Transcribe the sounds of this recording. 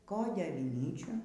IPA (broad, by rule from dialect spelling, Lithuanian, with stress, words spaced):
ˈkoːdʲeː ɐʋʲɪˈnʲiːt͡ʃʲuː